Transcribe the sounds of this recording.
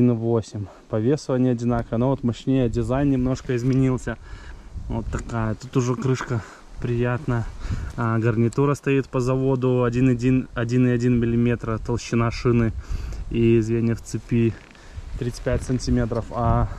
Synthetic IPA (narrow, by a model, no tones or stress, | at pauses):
inɨvosʲɪmʲ | pɐvʲe̞səvənʲɪəɐdʲɪnakəvənovot̪mɐɕnʲejədʲɪzajnnʲɪmno̞ʂkəɪzmʲɪnʲilˠsʲə | vot̪ːɐkajət̪ut̪ʊʐɛkɾɨʂkə | pɾʲɪjat̪nə | ɡərnʲɪt̪uɾəst̪ɐit̪pəzɐvo̞d̪ʊɐdʲinadʲinɐdʲinɪɐdʲinmʲɪlʲɪmʲe̞t̪ɾət̪əlˠɕːɪnaʂɨnɨiɪzvʲenʲɪjəft̪sɨpʲi | t̪ɾʲit̪ɨ̥pʲætʲsənʲtʲimʲe̞t̪ɾəfa